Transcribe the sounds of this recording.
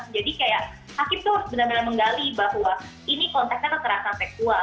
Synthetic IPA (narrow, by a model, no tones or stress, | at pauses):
d͡ʒadikajaʔ | hakɪmt̪usbənarbənarməŋɡalibahwa | inikɔnt̪ak̚ɲakəkəɾanansɛk̚t̪ua